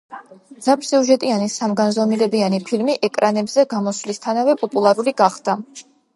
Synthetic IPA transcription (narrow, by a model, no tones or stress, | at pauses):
d̪z̥apʰsiuʒɛt̪ʼianisamɡanzɔmilɛbianipʰilmiʔɛkʼɾanɛbzɛɡamɔslist̪ʰanavɛpʼɔpʼulˠaɾuliɡaχd̪̥a